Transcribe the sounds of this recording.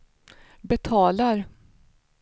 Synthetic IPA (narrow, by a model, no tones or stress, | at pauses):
bɛt̪ʰɑːlaɾ